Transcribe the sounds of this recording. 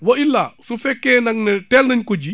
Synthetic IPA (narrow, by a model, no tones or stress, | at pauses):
wɐilːasufɛkːɛːnɐŋnɛtɛlnɐɲkɔɟi